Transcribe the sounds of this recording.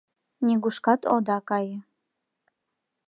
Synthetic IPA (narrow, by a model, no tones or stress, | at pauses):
nʲiɡuʃkɑt̪od̪ɑkɑjə̆